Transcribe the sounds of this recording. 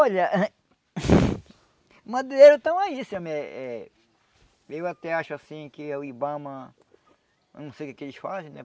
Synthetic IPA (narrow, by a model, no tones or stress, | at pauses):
ɔʎɐʔ | mɐ̃d̪eɾʊt̪ɐ̃w̃aisɐ̃mɛɛ | ewat̪ɛaʃʊasĩkɪwibɐ̃mɐ̃ | nũsejkeked͡ʒɪʃfazinɛ